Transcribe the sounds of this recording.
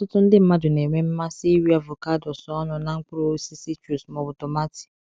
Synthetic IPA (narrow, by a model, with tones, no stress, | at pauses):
tʊ˦tʊ˦n̩˦dɪ˦m̩˦ma˦dʊ˨ne˨ŋʷe˦m̩˦ma˦si˦wi˦a˨vo˨ka˦dɔ˨sɔ˦ɔ˦nʊ˨na˦ŋ̩˦k͡pʊ˦ɾo˦si˦si˦t͡ʃu˨smɔ˨bʊ˨tɔ˨ma˦ti̥˨